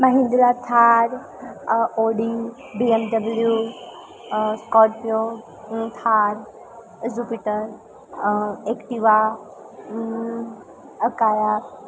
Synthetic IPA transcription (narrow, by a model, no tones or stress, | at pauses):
mɐɦĩnd̪ɾat̪ʰaːɾ | oːɖi | biemɖɐbəlju | skɔːʈpijo | t̪ʰaːɾ | zupiʈəɾ | ekʈiʋa | əkaːja